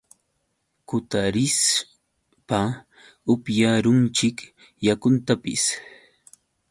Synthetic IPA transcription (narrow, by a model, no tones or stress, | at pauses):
kʊt̪aɾɪs | pa | ʊpjaɾʊnt͡ʃɪk | jakʊnt̪apɪ̰s